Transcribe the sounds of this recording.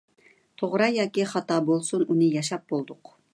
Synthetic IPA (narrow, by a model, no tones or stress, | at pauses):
t̪ʰoʁɾɑjɑːkʲiχɑt̪ɑːbolˠsununɨjɑʃɑp̚bolˠd̪ʊq